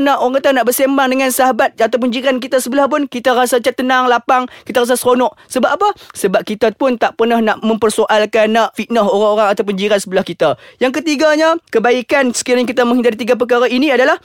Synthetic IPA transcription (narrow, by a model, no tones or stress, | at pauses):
naʔoɾaŋkat̪anaʔbərsembaŋdəŋansaɦabat̪̚at̪awp̬uɲd͡ʒiɾank̬it̪asəbəlahp̬ʊnkit̪aɾasat͡ʃat̪ːənaŋlapaŋkit̪aɾas̬asɾonɔʔsəbapapasəbap̚kit̪apʊnt̪aʔpərnahnaʔmə̃mpərsoʔalkanːaʔfit̪̚naɦoɾaŋoɾaŋat̪awpuɲd͡ʒiɾansəbəlahkit̪ajaŋk̬ət̪iɡaɲakəbaikansə̥kiɾɲak̬it̪amə̃ŋhidaɾit̪iɡap̬əkaɾainiadalah